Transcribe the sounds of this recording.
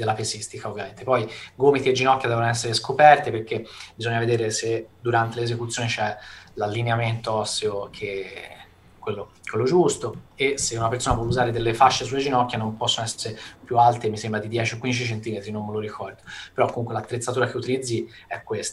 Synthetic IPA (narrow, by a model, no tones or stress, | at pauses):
d̪elːapesist̪ikaovjament̪epɔjɡomit̪ied͡ʒːinɔk̟ːjad̪ɛvonoɛs̬ːeɾeskopɛrt̪ipeɾkebizoɲːaved̪eːɾesed̪uɾant̪eleːzekut̪sjoːnit͡ʃɛlalːineament̪oɔsːeokʰe | kːwelːokwelːod͡ʒust̪oesːeunapeɾsoːnapwɔuzaːɾed̪elːefat͡ʃːesulːed͡ʒinɔkːjanompɔsːonoɛseɾepjualt̪emisembɾad̪id̪jɛːt͡ʃiokːwind̪it͡ʃit͡ʃent̪imet̪ɾinomːeloɾikʰɔrd̪opeɾɔkːomuŋkwelat̪ːɾet̪sːat̪uːɾak̟eut̪ilid̪zːiɛkːwest̪a